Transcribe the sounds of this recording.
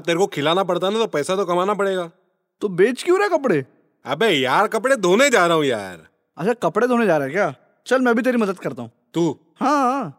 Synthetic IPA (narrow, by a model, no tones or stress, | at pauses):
t̪eːɾekokʰɪlaːnap̬əɽt̪anat̪opɛːsat̪okɐmaːnap̬əɽeːɡaː | t̪oːbeːt͡ʃkjũːɾɛkəp̬ɽeː | ə̰beːjaːɾkəpɽed̪ʱoːned͡ʒaːɾəɦõja̰ːɾ | ət͡ʃakəpɽed̪ʱoːned͡ʒaːɾeɦɛkjaː | t͡ʃəlmɛ̃ːbʱit̪̬eːɾiməd̪əd̪kəɾt̪aːɦũːt̪uː | hãːa